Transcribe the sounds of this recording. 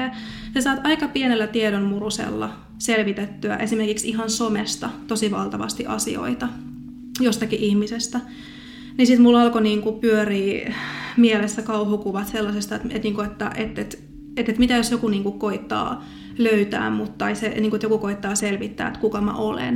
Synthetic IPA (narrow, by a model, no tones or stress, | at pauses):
e | sesɑːt̪ɑikɑpienelːæt̪iedonmurusḛlːɑ | selʋit̪et̪ːyæ̰ʔesimerkiksiɦɑnsomest̪ɑt̪osiʋɑlt̪ɑʋɑ̰st̪iʔɑ̰sḭo̰it̪ɑ | jost̪ɑkiʔihmisest̪æ | nisit̪mulːɑlkoniːŋkupyøriːmielesːækɑuɦukuʋɑt̪selːɑsest̪ɑet̪ḛt̪niːŋkoet̪ːæ̰ʔet̪ːet̪ | et̪ːet̪mit̪æjosjokuniːŋkukoit̪ːɑ̰ː | løyt̪æ̰ːmmut̪t̪ɑiseniːŋkuet̪jokukoit̪ːɑːselʋit̪ːæ̰ːet̪kukɑmæ̰ʔolḛn